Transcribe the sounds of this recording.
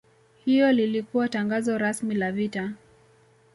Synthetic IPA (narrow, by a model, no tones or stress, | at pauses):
hiɔlilikuwataŋɡazɔɾasmilavita